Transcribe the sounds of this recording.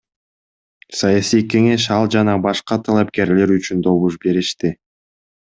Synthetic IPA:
sajasijke̞ŋe̞ʃ̬ɑlˠd͡ʒɑnɑbɑʃqɑt̪ʰalˠɑpke̞ɾle̞ɾyt͡ʃynd̪o̞βuʃbe̞ɾiʃt̪i

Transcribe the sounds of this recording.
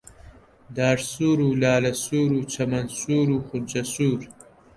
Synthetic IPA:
d̪aːʈsuːɾulaːlɐsuːɾut͡ʃʰɐmɐnsuːɾuxʊnd͡ʑɐsuːɾ

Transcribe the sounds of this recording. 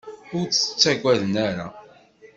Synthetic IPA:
ʊɾt͡sə̥t͡sːæɡʷæðənaɾa̰

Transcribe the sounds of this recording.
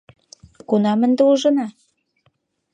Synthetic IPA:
kunɑmə̆nd̪ĕuʒɤ̆nɑ

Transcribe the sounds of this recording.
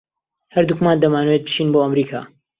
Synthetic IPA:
hɐɾd̪ukmaːnd̪ɐmaːnwet̪̚bʰi̥ʃiːnboːɐmɾiːkʰa̰ː

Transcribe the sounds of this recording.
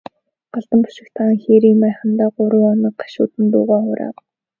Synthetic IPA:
ɢ̥aɮt̪ə̆mpʊ̥ʃɪ̆kt̪ʰaːŋxeːɾiːmæːχə̆nt̪aːɢʊɾʊ̆ːɔnɞ̆k̚ɢḁʃʊ̰ːt̪ɘ̆nt̪ʊːʁaːχʊɾa̰ː

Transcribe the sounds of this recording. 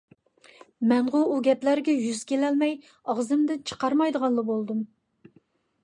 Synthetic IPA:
mɛnʁʊuɡʲɛplæɾɡʲɛjyzkʲelɛlmɛj | ɑʁzɨmd̪ɪt͡ʃʰə̥qɑɾmɑjd̪əʁɑnlˠɑbolˠd̪um

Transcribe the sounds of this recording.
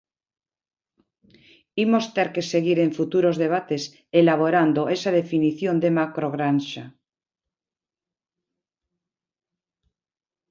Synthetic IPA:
imo̞st̪eɾke̞seɣiɾe̞ɱfut̪uɾo̞zðe̞β̞at̪es | elaβ̞oɾand̪oesað̞e̞finiθjo̞nd̪e̞makɾo̞ɣɾanʃa

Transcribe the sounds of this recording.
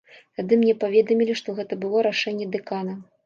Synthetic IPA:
t̪ad̪ɨmnʲɛpavʲɛd̪ɐmʲilʲiʂt̪ɔɣɛt̪ɐbɨlˠɔɾaʂɛnʲːɛd̪ɛkanɐ

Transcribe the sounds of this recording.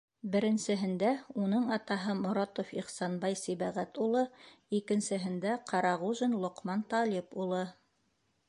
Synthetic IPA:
bɘ̆ɾɘ̆nsɘ̆ɦɘ̆nd̪æunɤɴɑt̪ɑɦɤmŏɾɑt̪ofiχsɑnbɑjsiβæʁæt̪ulˠɤikɘ̆nsɘ̆ɦɘ̆nd̪æqʰɑɾɑʁuʒɘnlˠŏqmɑnt̪ɑlʲipulˠɤ

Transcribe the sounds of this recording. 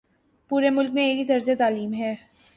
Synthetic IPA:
puːɾemʊlk̚mẽeːkit̪ɐɾzet̪aːliːmɦɛː

